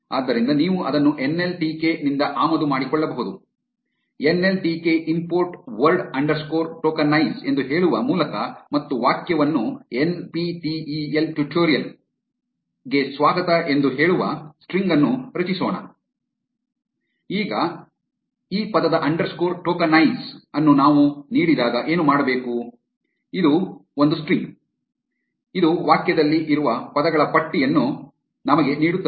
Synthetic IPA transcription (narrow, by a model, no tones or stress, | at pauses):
a̰ːd̪ːɐɾind̪ɐniːʋuʔɐd̪ɐnːuʔe̞nːe̞lʈiːkenind̪ɐʔaːmɐd̪umaːɽikɔɭːɐbɐɦud̪u | enːe̞lʈike̞ʔimpoːɾʈʋɐɾɖɐɳɖɐɾskoːɾʈoːkɐnːɐjse̞nd̪uɦe̞ːɭuʋɐmuːlɐkɐmɐt̪ːuʋaːkjɐʋɐnːuenpiʈielʈjuʈʰoːɾijɐl | ɡe̞sʋaːɡɐt̪ɐʔe̞nd̪uɦe̞ːɭuʋɐ̰sʈɾiŋɡɐnːuɾɐt͡ʃisoːɳɐ̰ | iːɡɐ | iːpɐd̪ɐd̪ɐʔɐɳɖɐɾskoːɾʈoːkɐnɐjsɐnːunaːʋuniːɽid̪aːɡɐʔeːnumaːɽɐbe̞ːku | id̪uo̞nd̪usʈɾiŋɡ | id̪uʋaːkjɐd̪ɐlːiʔiɾuʋɐpɐd̪ɐɡɐɭɐpɐʈːijɐnːu | nɐmɐɡe̞niːɽut̪ːɐ